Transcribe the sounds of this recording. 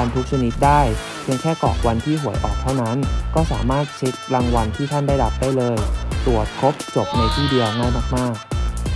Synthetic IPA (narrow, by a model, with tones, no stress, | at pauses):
a˧nt̪ʰu˦˥k̚sʰa˧ni˦˥t̪̚daː˥˩j | pʰi˧əŋkʰɛː˥˩kɔ̰˨˩k̚wa˧nt̪ʰiː˥˩ɦu˩˦əjʔɔ̰ː˨˩k̚t̪ʰa˥˩wna˦˥nkɔː˥˩sa̰ː˩˦maː˥˩t̪̚t͡ɕʰi˦˥t̪̚ɾa˧ŋwa˧nt̪ʰiː˥˩t̪ʰa˥˩ndaː˥˩jɾa˦˥p̚daː˥˩jlɤː˧jt̪u˨˩ət̪̚kʰo˦˥p̚t͡ɕo˨˩p̚na˧jt̪ʰiː˥˩di˧əwnaː˥˩jmaː˥˩k̚maː˥˩k̚